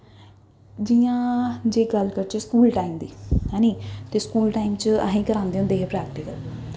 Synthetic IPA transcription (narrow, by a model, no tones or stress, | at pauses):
d͡ʒijãːd͡ʒeːɡəlkəɾt͡ʃeːskuːlʈaːimd̪iːɦɛ̃ːniːt̪eːskuːlʈaːimt͡ʃəə̰ɦĩːkəɾãːnd̪eːʊ̃nd̪eːɦepɾɛːk̚ʈɪkəl